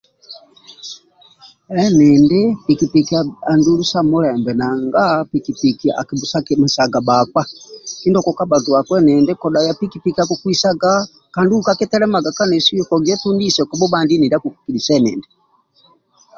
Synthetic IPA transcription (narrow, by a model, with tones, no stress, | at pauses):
ɛ˦nɛ˨nde˦pi˨ki˨pi˨kia˨a˨ndu˦lu˦sa˦mu˦lɛ˨mbɛ˨na˨ŋɡa˦pi˨ki˨pi˨ki˨a̰˨ki˨bu˨sa˦kimu˨sa˨ɡa˨ba˨kwa˦ki˦ndɔ˨kɔ˨ka˦ba˨tu˨a˨kwɛ˦nɛ˨ndɛ˦kɔ˨da˨ja˦pi˦ki˦pi˨kia˦ku˨kwi˦sa˦ɡa | ka˨ndi˦ukakɛ˦tɛ˦lɛ˦ma˨ɡa˨ka˦nɛ˨su˦ɔkɔ˨ɡɛ˦tu˦ndi˦sɛ˨kɔ˨bɔ˦bandi˦ni˨dia˦ku˨ku̥˨ki˨li˨sɛ˦nɛ̰˨ndɛ